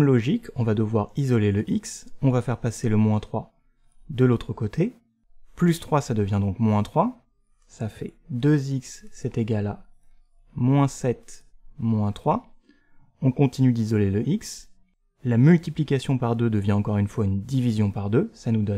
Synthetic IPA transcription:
mlɔʒikʰɔ̃vad̪əvwaʁizɔleləʔiksɔ̃vafɛʁpaseləmwɛ̃t̪χwa | d̪əlot̪χəkot̪ʰe | plyst̪χwasad̪əvjɛ̃d̪ɔ̃kmwɛ̃t̪χwa | safɛd̪øziksːɛt̪eɡʲala | mwɛ̃sɛt̪mwɛ̃t̪χwa | ɔ̃kɔ̃t̪inyd̪izɔleləʔiks | lamylt̪iplikʲasjɔ̃paʁd̪ød̪əvjɛ̃ɑ̃kɔʁynfwaynd̪ivizjɔ̃paʁd̪øsanud̪ɔ

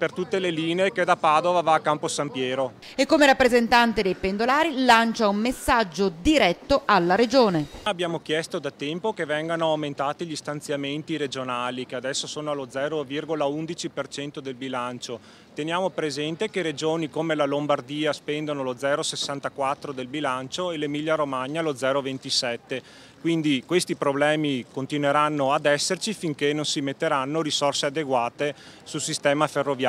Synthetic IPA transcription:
pert̪ut̪ːeleliːneːked̪apaːd̪ovavaːkːamposampjɛːɾo | ekːomeɾapːɾezent̪ant̪ed̪ejpend̪olaːɾilant͡ʃaumːesːad͡ʒːod̪iɾɛt̪ːoʔalːaɾed͡ʒoːneabjaːmok̟jɛst̪od̪at̪ɛmpokevɛŋɡanoawment̪aːt̪iʎist̪ant̪sjament̪iɾed͡ʒonaːlikead̪ɛsːosoːnoalod̪zɛːɾovirɡolaund̪it͡ʃipert͡ʃɛnt̪od̪elbilant͡ʃo | t̪enjaːmopɾezɛnt̪ekeɾed͡ʒoːnikomelalombard̪iːaspɛnd̪onolod̪zɛːɾosesːant̪akwat̪ːɾod̪elbilant͡ʃoelemiʎːaɾomaɲːalod̪zɛːɾovent̪isɛt̪ːe | kwind̪ikwest̪ipɾoblɛːmikont̪inweɾanːoad̪ɛsːert͡ʃifiŋkenonsimet̪ːeɾanːoɾisorsead̪eɡwaːt̪e | sulsist̪ɛːmaferːovj

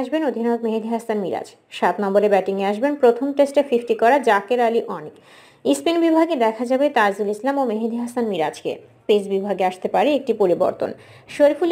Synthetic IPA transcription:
ʃbenod̪ʱinoɡmeɦed̪ʱiɦasanmiɾa̰d͡ʑ | ʃat̪nɔmboɾebɛʈiŋeaʃ̬benpɾot̪ʰomʈesʈefifʈikɔɾad͡ʑakeɾaliʔɔnik | ispinbibʱaɡed̪ɛkʰad͡ʑabet̪azulislamomeɦed̪ʱiɦasanmiɾad͡ʑkḛ | ped͡ʑbibʱaɡeaʃt̪epaɾeek̚ʈipoɾibo̰ɾt̪o̰n | ʃoɾiful

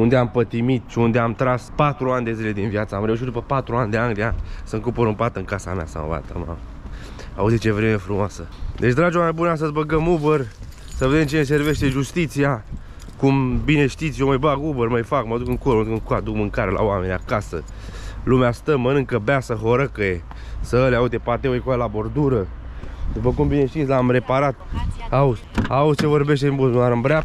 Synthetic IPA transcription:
und̪eampət̪imit̪ʃiund̪eamt̪ɾaspat̪ɾuanʲd̪e̞zile̞d̪inviat̪səamɾeuʃ̬it̪d̪upəpat̪ɾuanʲd̪e̞anʲd̪eanʲsəŋkupoɾumpat̪ɨŋkasa̰mea̰sa̰va̰t̪ə̰ma̰ | a̰uzit͡ʃevɾeme̞fɾumoasəd̪e̞t͡ʃd̪ɾad͡ʒowamebuneas̬t̪əzbəɡəmubər | səve̞d̪e̞mt͡ʃines̬e̞rve̞ʃt̪e̞ʒust̪it̪sija | kumbine̞ʃt̪it̪sjoməbaɡubərməjfakmad̪ukɨŋkold̪ukɨŋkad̪ukmɨŋkaɾelʔa̰wame̞nia̰kasə̰lumeast̪əmənɨŋkəbeasəɦo̞ɾəkəje | səəleaut̪epat̪eoekoaelabo̞rd̪uɾəd̪upəkumbineʃt̪it̪sʲlamre̞paɾat̪auzausʲt͡ʃe̞vo̞rbe̞ʃ̬t̪embusmunaɾɨmbɾea

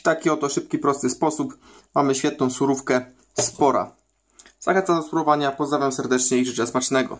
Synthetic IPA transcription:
t̪akʲiɔt̪ɔʂɘpkʲipɾɔst̪ɘspɔsup | mamɘɕfʲɛt̪nɔ̃w̃suɾufkɛ | spɔɾa̰ | za̰xɛnt̪samd̪ɔsɾuɾɔvaɲapɔzd̪ɾavjamsɛɾd̪ɛt͡ʂɲɛiʐɘt͡ʂɛsmat͡ʂnɛɡɔ̰

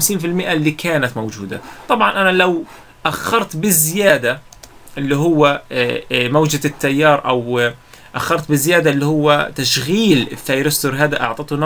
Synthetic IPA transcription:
msiːnfɪlmɪʔalːiːkʰaːnat̪mowd͡ʒṵːd̪a̰t̪ˤɑbʕɑnʔanalaw | ʔaxːɑɾˤt̪bɪzːɪjaːd̪a | ʔɪlːiɦʊwːa | mawd͡ʒat̪ːajːɑːɾˤʔaw | ʔaxːɑɾˤt̪̚bɪzːɪjaːd̪aʔɪlːihʊwːat̪aʃɣiːlɪθːaːjɾɪst̪uɾɦaːd̪aʔɑ̰ʕt̪ˤɑt̪ˤun

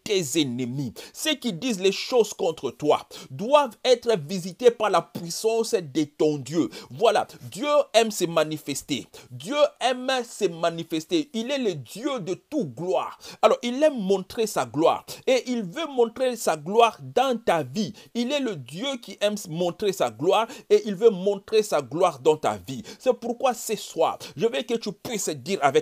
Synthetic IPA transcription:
t̪ezɛnəmisəkid̪izlɛʃozkɔ̃t̪χət̪wa̰d̪wavɛt̪χəvizit̪epaʁlapɥisɑ̃sd̪et̪ɔ̃d̪jøvwala̰d̪jøɛmsɛmanifɛst̪ed̪jøɛmsɛmanifɛst̪eilɛləd̪jød̪ət̪uɡlwa̰ːʁalɔʁilːɛmːɔ̃t̪χesaɡlwa̰ːʁeʔilvømɔ̃t̪χesaɡlwaʁd̪ɑ̃t̪aviilɛləd̪jøkʲiʔɛmsmɔ̃t̪χesaɡlwaːʁeʔilvømɔ̃t̪χesaɡlwaʁd̪ɑ̃t̪a̰visɛpuʁkwasɛswa̰ʒəvɛkət̪ypɥisd̪iʁavɛ

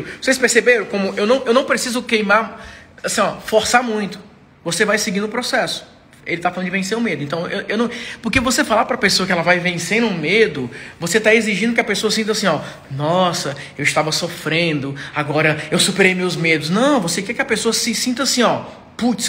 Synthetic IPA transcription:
vosejspeɾsebeɾɐ̃w̃kõmʊʔewnɐ̃w̃ewnɐ̃w̃pɾesizʊkejmaɾasĩɔfoɾsamũj̃t̪ʊ̥ | vosevajsɪɡĩnʊpɾosɛsʊ̥ | elɪt̪afalɐ̃d̪ʊd͡ʒɪvẽs̬eɾʊ̃med̪ʊɪẽnt̪ɐ̃w̃ewʔewnɐ̃w̃poɾkevosefalapɾɐpesoɐkɪɛlɐvajvẽsẽnũmed̪ʊvoset̪aeziʒĩd̪ʊkɪɐpesoɐsĩnt̪asĩɔ | nɔsɐ | ewɪst̪avɐsofɾẽnd̪ʊaɡɔɾɐewsupeɾejmewzmed̪ʊsnɐ̃w̃vosekɛkɪɐpesoɐsɪsĩnt̪ɐasĩɔ | put͡ʃs

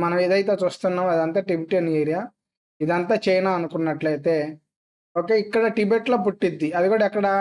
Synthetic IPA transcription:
mɐnɐmeːd̪ɐjt̪̬e̞ːt͡ʃuːst̪unːaːmɐd̪ɐnt̪aːʈibiʈiɐnijeːɾiaː | id̪ɐnt̪aːt͡ʃɐjnaːɐnukunːɐʈlɐjt̪e̞ː | o̞ːkeikːɐɽɐʈibeʈloːp̬uʈːid̪ːiɐd̪iɡuːɽɐɛkːɐɽɐ

